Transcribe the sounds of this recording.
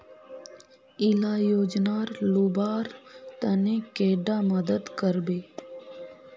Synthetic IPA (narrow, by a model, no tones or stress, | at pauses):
ɪlaːjoːd͡ʒnaːɾlubaːɾt̪ənekeːɖaməd̪əd̪kəɾbeː